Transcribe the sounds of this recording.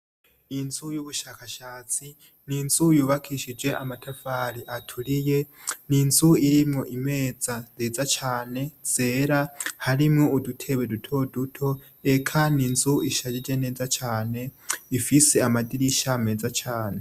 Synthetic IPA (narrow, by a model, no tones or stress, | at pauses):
inzujuβuʃakʰaʃaːt͡si | ninz̥ujuːβakʰiʃid͡ʒwe̞ʔamatʰafaɾiʔatʰulije̞ | ninzuiɾimŋo̞ʔime̞ːd͡zazeːd͡zat͡ʃaːne̞z̥e̞ːɾahaɾimŋoudutʰe̞βedutʰo̞dutʰo̞ | ekʰaninzuiʃad͡ʒid͡ʒe̞ne̞ːd͡zat͡ʃʰaːne̞ifiseamadiɾiʃame̞ːd͡zat͡ʃaːne̞